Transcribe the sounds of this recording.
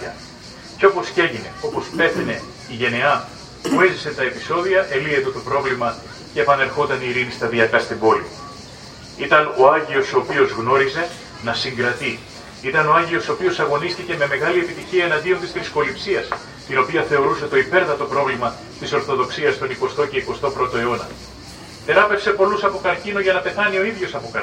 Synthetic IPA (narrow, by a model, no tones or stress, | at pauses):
ɐ | ceo̞po̞sce̞ʝine̞o̞po̞spe̞θine̞ | iʝe̞ne̞ɐ | pue̞zise̞nt̪ɐe̞pi̥so̞ðiɐʔe̞lie̞t̪e̞t̪o̞pɾo̞vlimɐ | ce̞ːpɐne̞ɾxo̞t̪ɐniːɾinist̪ɐðiɐkɐst̪imbo̞lio | it̪ɐno̞ɐɲʝio̞soːpio̞zɣno̞ɾize̞ | nɐsiŋɡɾɐt̪i | it̪ɐno̞ɐɲʝio̞soopio̞sɐɣo̞niscice̞me̞me̞ɣɐlie̞pit̪içiɐenɐnd̪io̞nt̪ist̪ɾisko̞lipsiɐs | t̪ino̞piɐθe̞o̞ɾuse̞t̪o̞ipe̞ɾθɐt̪o̞pɾo̞vlimɐ | t̪iso̞ɾθo̞ðo̞ksiɐst̪o̞niko̞st̪o̞ce̞iko̞st̪o̞pɾo̞t̪o̞e̞o̞nɐ̰ | t̪e̞ɾɐpe̞kse̞po̞lusɐpo̞kɐɾcino̞ʝɐnɐpe̞θɐnio̞iðʝo̞sɐpokɐ